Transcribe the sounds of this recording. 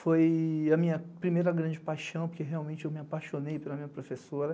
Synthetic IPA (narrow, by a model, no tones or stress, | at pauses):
fojɐmĩɲɐpɾimejɾɐɡɾɐ̃d͡ʒɪpajʃɐ̃w̃poɾkeɦeawmẽnt͡ʃɪewmɪapajʃonejpelɐmĩɲɐpɾofesoɾɐ